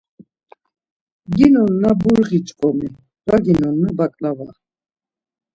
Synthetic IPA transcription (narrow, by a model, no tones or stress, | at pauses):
ɡinɔnːabuɾʁit͡ʃʼkʼɔmi | vaɡinɔnːabakʼlava̰